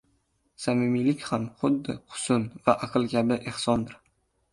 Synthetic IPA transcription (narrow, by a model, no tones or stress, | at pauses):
samɪmilɪkʲhamχʊd̪ːɪqʰʊ̥sʊnvaʔaqʰɨlˠkʲʰabɪʔehsɒnd̪ɪɾ